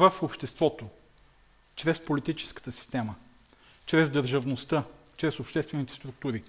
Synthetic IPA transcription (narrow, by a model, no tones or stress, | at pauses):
vafopʃt̪ɛst̪vɔt̪o | t͡ʃɾɛspolit̪it͡ʃɛ̥skə̥t̪əsi̥st̪ɛmə | t͡ʃɾɛzd̪əɾʒəvnost̪ət͡ʃɾɛsopʃt̪ɛst̪vɛnit̪ɛ̥st̪ɾuk̚t̪uɾi